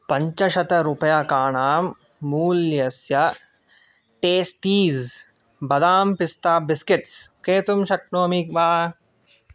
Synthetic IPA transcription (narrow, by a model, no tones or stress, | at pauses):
pɐɲt͡ʃɐʃɐt̪ɐɾʊpɐjaːkaːɳaːmː | uːlːjɐsja | ʈeːst̪iːz | bɐd̪aːmpɪst̪aːbɪskɪʈskeːt̪umʃɐk̚noːɐmiːkbaː